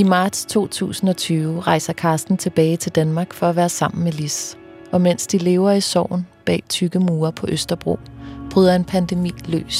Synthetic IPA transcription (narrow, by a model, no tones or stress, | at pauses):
imɑ̈ːd̥st͡sʰo̝̰ːt͡sʰṵːsn̩ɒ̽t͡sʰyːʊʁɑ̈ɪsɐkʰɑ̈ːsd̥n̩t͡sʰe̝b̥ɛːɪt͡sʰe̝ld̥ænmɑ̈ːɡ̥fɒ̽æʋæːɐsɑ̈m̰n̩melis | ʔɒ̽men̰sd̥ile̝ːʊɐisɒ̰ʊ̰n̩b̥ɛ̰ːt͡sʰyɡ̥əmuːɐpʰɒ̽ʔøsd̥ɐb̥ʁo̝̰b̥ʁyːðˠɐe̝npʰænd̥emḭːlø̰ːs